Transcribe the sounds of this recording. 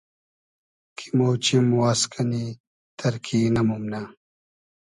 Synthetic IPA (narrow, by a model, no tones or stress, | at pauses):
kʰi̥moːt͡ɕimwaːskʰɐni | t̪ʰɐɾkʰiːnɐmumna